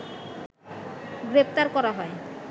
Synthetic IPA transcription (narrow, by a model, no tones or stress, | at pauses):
ɡɾep̚t̪aɾkɔɾaɦɔe